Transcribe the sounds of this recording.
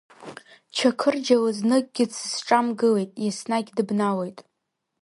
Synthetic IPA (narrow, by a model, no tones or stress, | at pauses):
t͡ʃʰakʰɨrd͡ʒalaznɨɡ̚ɡʲɪt͡sʰzʈ͡ʂʼamɡɨlejtʼjasnaɡʲdɨbnawejtʼ